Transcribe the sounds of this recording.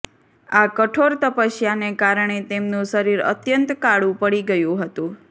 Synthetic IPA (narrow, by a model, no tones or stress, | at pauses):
akəʈʰoɾt̪əpəʃjanekaɾɳ̃et̪emnũsəɾiɾə̰t̪jənt̪kaɽũpəɽiɡəjũɦət̪ũ